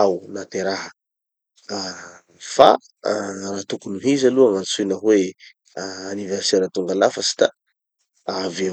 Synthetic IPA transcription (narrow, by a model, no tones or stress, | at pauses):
awnat̪eɾaɦə | fa̰ | rat̪ukunuɦizaluaŋant͡sunəɦweː | niverseɾət̪uŋɡalafəsi̥t̪a | ave